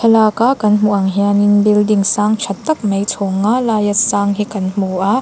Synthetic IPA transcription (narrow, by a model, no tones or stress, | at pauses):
tʰɐlaːkaʔkɐnm̥uʔɐŋɦianinbildiŋsaːŋt͡ʃʰɐt̪ːɐk̚mɐjt͡sʰɔŋalaːjɐt̚saːŋɦikɐnm̥uʔa